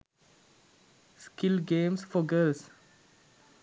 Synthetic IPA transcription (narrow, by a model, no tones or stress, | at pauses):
skɪlɡeɪmsfɔɡɜːls